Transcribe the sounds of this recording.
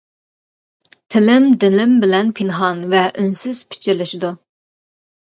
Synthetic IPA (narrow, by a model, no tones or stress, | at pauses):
t̪ʰɪlɪmd̪ɪlɪmbɪlɛnpʰɪnɦɑnvɛʔynsɪz̥pʰi̥t͡ʃʰiɾlɪʃid̪u